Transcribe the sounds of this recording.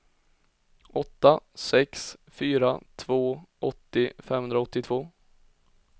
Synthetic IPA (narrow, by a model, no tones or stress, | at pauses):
ʔɔt̪ːasɛksfyːɾat̪ʰvoːʔɔt̪ːɪfɛmhɵnd̪ɾaɔt̪ːɪt̪ʰv̥oː